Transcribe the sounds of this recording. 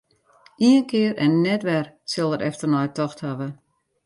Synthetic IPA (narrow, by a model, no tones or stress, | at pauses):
ʔiənkɪəɾʔɛnːɛtʋɛrsɪlˠəɾɛftərnɔjtɔxthaʋə